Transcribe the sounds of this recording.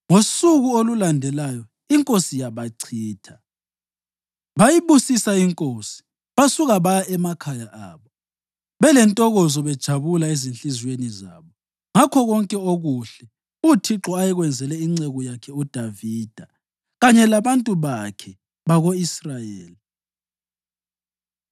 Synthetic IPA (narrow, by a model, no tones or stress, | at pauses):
ŋosuɣuolulandʱɛlajɔ | iŋkʼosijaβaǀʰiːtʰḁ | βajiβusisaiŋkʼosi̥ | βasuɣaβajaʔɛmakʰajaʔa̰ːβɔ | βɛlɛntʼɔɣɔzɔβɛd̥ʒ̥ʱaβulaezinɬizweniza̰ːβɔ | ŋakʰɔɣɔŋkʼɛoɣuɬɛ | utʰiǁɔajɛɣwɛnd͡zʱɛlɛiŋ͡ǀɛɣɔjakʰɛud̥ʱaviːd̥ʱa | ɣaɲɛlaβantʼuβakʰɛ | βaɣoisrajeːli